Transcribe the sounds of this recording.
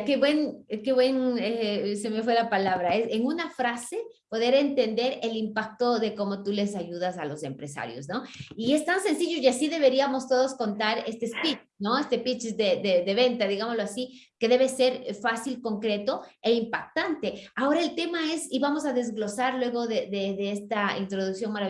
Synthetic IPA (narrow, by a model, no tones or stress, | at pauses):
keβwe̞nke̞βwe̞nesemefwelapalaβɾaeseŋunafɾase̞po̞ðe̞ɾe̞nt̪e̞nd̪e̞ɾe̞limpak̚t̪o̞ðe̞ko̞mo̞t̪ule̞saʝuðasalo̞se̞mpɾe̞sa̰ɾjo̞̰sno̞ie̞st̪anse̞nsiʝojasiðe̞βe̞ɾiamo̞st̪o̞ðo̞sko̞nt̪aɾe̞st̪espit͡ʃ | no̞est̪epit͡ʃsd̪ed̪eðeβe̞nt̪aðiɣamozloasike̞ðe̞βe̞se̞ɾfasilko̞ŋkɾe̞t̪o̞e̞impak̚t̪ant̪e̞ao̞ɾae̞lt̪e̞mae̞siβamo̞saðe̞zɣlo̞saɾlwe̞ɣo̞ðeðeðeest̪aḭnt̪ɾoðuksjo̞ŋmaɾaβ